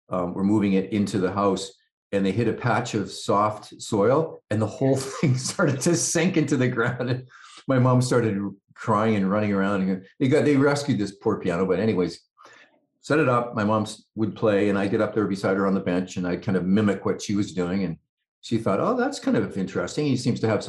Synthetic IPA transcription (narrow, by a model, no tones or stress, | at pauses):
ʌwə̰˞muvɪ̃ŋɪɾɪ̃ntʰʉðəɦaʊs | ɨ̃nðeɪɦɪɾɨpʰæt͡ʃʌv̥sɔftsɔɪlˠɨ̃nðəhoʊlˠθɪ̃ŋstʰɑɹɾɨd̚tʰɨsɪ̃ŋkɪ̃ntʉðɨɡɹãʊ̃ndɨ̃nmaɪmɑ̃mstɑɹɾɨd̚kʰɹ̥aɪɪ̃ŋɨ̃nɹʌñɪ̃ŋə˞ãʊ̃ndɨ̃nðeɪɡɑt̪̚ðeɪɹɛskjʉd̪̚ðɪspʰɔɹpʰiæñoʊbʌɾɛñiweɪz̥ | sɛɾɨɾʌp̚maɪmɑ̃ms | wəd̚pʰl̥eɪɨ̃naɪɡɛɾʌp̚ðə˞bɨsaɪɾ̚ə˞ə̃nðəbɛ̃nt͡ʃɨ̃naɪd̚kʰãɪ̃ndʌvmɪ̃mɨkwʌtʃiwʌzdʉɪ̃ŋɨ̃n | ʃiθɔɾo̰ʊðætskʰãɪ̃ndʌvɪ̃nt͡ʃɹ̥ɛ̰stɪ̃ŋhisĩmz̥tʰɨːv̥s